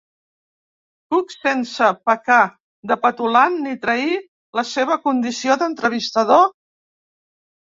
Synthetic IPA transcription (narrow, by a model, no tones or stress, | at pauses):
puksensəpəka | d̪əpət̪ulanːit̪ɾəi | ləseβ̞əkund̪isioðənt̪ɾəβ̞ist̪əðo